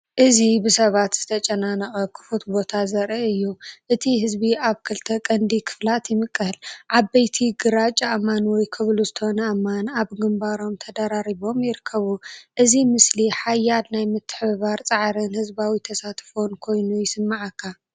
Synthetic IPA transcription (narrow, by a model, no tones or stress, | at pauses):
ʔɨzibɨsɐβat̪z̥ɨt̪ʰɐt͡ʃʼɐnanɐχʼɐkʰɨ̥fut̪bo̞t̪ʰazɐɾʔɐɨjːuʔɨt̪ʰihɨzbiaβkʰɨlt̪ʰɐkʼɐnd̪ikʰɨ̥flat̪jɪmɨkʼːɨhlʕabɐjt̪ʰiɡɨɾat͡ʃʼaʔmanwɔjkʰɨβluzɨt̪ʰɐhonɐʔamːanaβɡɨmbaɾo̞mt̪ʰɐd̪aɾaɾiβo̞mjɪɾɨkʰːɐβuʔɨzimɨsliħajːad̪najmɨt̪ʰːɨ̥ħββaɾt͡sʼaʕɾɨnhɨzbawit̪ʰɐsat̪fonkʰo̞jnujɪsɨmːaʕakʰːa